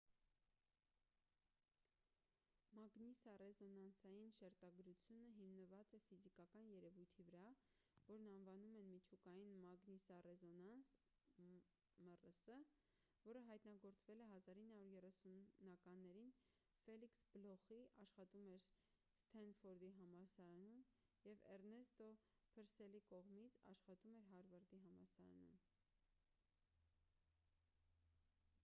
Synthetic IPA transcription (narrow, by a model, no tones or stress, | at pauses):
mɑɡnisɑrɛzɔnɑnsɑjinʃɛɾt̪ɑɡɾut͡sʰjunəɦimnəvɑt͡sɛfizikɑkɑnjɛɾɛvujt̪ʰivəɾɑ | vɔɾnɑnvɑnumɛnmit͡ʃʰukɑjinmɑɡnisɑrɛzɔnɑns | mərəsə | vɔɾəɦɑjt̪nɑɡɔɾt͡svɛlɛɦɑzɑɾinːhɑuɾjɛrɛsunːɑkɑnːɛɾin | fɛliksblɔχiʔɑʃχɑt̪umɛɾ | st̪ʰɛnfɔɾd̪iɦɑmɑɾsɑɾɑnun | jɛvɛ̰ɾnɛst̪ɔ | pʰəɾsɛlikɔʁmit͡sʰɑ̰ʃχɑt̪umɛɾɦɑɾvɑɾd̪iɦɑmɑ̰ɾsɑɾɑ̰nṵn